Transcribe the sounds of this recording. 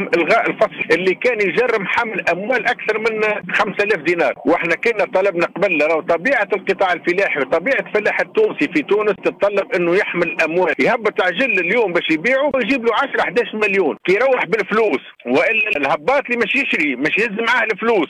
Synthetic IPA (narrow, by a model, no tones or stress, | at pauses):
mʔɪlɣæːʔɪlfɑsˤlʔɪlːikæːnjʒɑrːɪmħamːɪlʔæmwæːlʔakθɑɾˤmɪnːæxamsælæːfd̪iːnɑːɾˤwʔɪħnækʊnːæt̪ˤɑlɑbnæqbɪlːæɾˤɑwt̪ˤɑbiːʕalqɨt̪ˤɑːʕɪlfɪlæːħit̪ˤɑbiːʕafɪlaːħɪt̪ːuːnsifit̪uːnəst̪ət̪ˤːɑlːɑbʔɪnːʊjɪħmɪlɪlʔæmwæːljhæbːət̪ˤʕʒɪlːɪljuːmbæːʃjbiːʕujʒiːbluʕaʃɾˤħd̪æːʃmɪljuːnkijɾˤɑwːɪħbɪlfluːs | wɪʔɪlːælhæbːɑːt̪limæːʃjɪʃɾibæːʃjɪzːmʕahlɪfluːs